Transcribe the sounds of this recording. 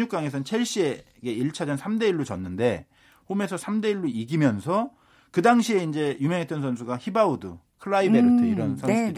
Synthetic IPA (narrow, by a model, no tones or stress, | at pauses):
ɲuk͈aŋe̞sʰʌnt͡ɕʰe̞ɭɕ͈ie̞ | ɡe̞iɭt͡ɕʰad͡ʑʌnsʰamde̞iɭːot͡ɕʌnːɯnde̞ | ɸome̞sʰʌsʰamde̞iɭːoiɡimjʌnsʰʌ | kɯdaŋɕʰie̞ind͡ʑe̞jumjʌŋet͈ʌnsʰʌns̬ʰuɡaçibaudɯ̰ | kʰɯɭːaibeɾɯtʰɯiɾʌnsʰʌsʰɾi